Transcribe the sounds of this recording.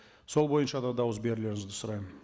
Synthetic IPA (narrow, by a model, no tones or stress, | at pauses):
so̞lˠbo̞jənʃɑd̪ɑd̪ɑwəzbe̞ɾɪle̞ɾɪŋɪzd̪ɪsʊɾɑjmən